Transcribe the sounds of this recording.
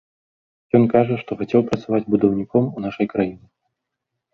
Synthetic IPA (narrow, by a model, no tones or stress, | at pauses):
jɔnkaʐɐʂt̪ɔxat͡sʲɛwpɾɐt̪savad͡zʲbud̪ɐwnʲikɔmunaʂɐjkɾajinʲɨ